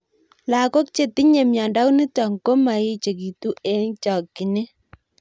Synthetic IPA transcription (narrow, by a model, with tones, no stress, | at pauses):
la˨ko˦k̚t͡ʃe˨ti˦ɲe˨mja˨nda˦wni˦ta˨ŋɡo˦ma˨jɪ˦t͡ʃe˨ki˨tu˦ɛ˦ŋt͡ʃa˨kːɪ˨ne˦